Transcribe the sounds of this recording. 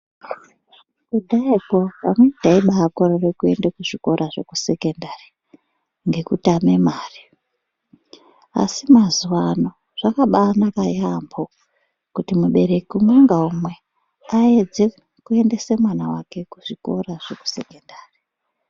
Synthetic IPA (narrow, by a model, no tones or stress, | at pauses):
kudʱaiko̞pamwe̞taiɓakororekue̞ndekuʐiko̞ɾʔaʐe̞kuse̞ke̞ndari | ŋɡe̞kutame̞maːri | a̰simazuwano̞ | ʐ̥akaɓanakajambʱo | kutimuɓe̞ɾe̞kumweŋɡaumwe̞ | aed͡ze | kue̞nde̞se̞mwanawake̞kuʐiko̞̰raʐ̥eku̥se̞kendaːri